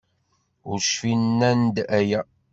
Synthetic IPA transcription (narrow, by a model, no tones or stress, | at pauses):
ʊɾʃfinːænd̪æjæ